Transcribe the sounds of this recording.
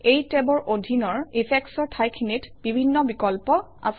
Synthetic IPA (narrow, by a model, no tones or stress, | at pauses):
ejtebɔɹʔodʱinɔɹipʰɛksɔɹtʰajkʰinitb̥ibʱinːɔbikɔlpɔ | a̰s